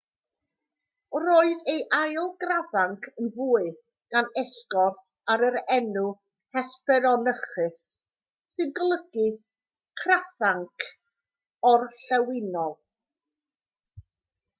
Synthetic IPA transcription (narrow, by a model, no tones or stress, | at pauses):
ɾoːɨðejʔajlˠɡravaŋkʰənvuːɨ | ɡ̥anɛskɔ | aɾəɾɛnu | hɛspɛɾɔnəχɨs | sɨnɡəlˠəɡɨ | kʰraθaŋkʰ | ɔrɬɛwɪnɔlˠ